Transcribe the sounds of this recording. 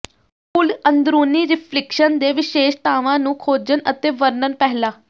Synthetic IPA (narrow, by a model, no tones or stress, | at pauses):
pʊlənd̪ɾuːniːɾɪpʰlɪkʃənd̪eːʋɪʃeːʃt̪aːʋãːnũːkʰoːd͡ʒənʔət̪eːʋəɾnənpɛɦlaː